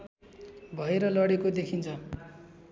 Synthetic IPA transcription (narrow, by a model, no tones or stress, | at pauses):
bʱʌeɾʌlʌɽekod̪ekʰint͡sʰʌ